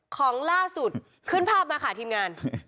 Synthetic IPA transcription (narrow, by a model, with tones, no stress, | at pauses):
kʰɔː˩˦ŋlaː˥˩su˨˩t̪ | kʰɯ˥˩npʰaː˥˩p̚maː˧kʰaː˨˩t̪ʰiː˧mŋaː˧n